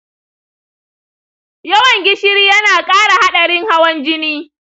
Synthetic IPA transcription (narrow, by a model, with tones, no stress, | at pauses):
jɐ˦wɐ˨ŋɡʲɪ˦ʃɪ˦ɾiː˦jɐ˦naː˨kʼaː˦ɽa˨ha˦ɗɐ˨ɽɪ˦ŋha˦wɐ˦nd͡ʒɪ˦niː˦